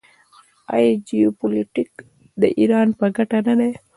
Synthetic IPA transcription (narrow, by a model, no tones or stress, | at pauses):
a̰jed͡ʒijopoliʈik | d̪ə̰ʔiɾɑnpəɡaʈanad̪e